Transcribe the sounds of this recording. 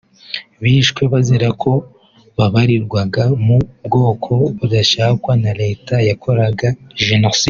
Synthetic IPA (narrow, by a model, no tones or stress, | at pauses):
βiːʃkwe̞βazeɾakʰo̞ | βaβaɾiɾɡwaɡamubɡo̞ːkʰo̞βudaʃaakwanaɾe̞ːtajakʰo̞ɾaɡaʒenosi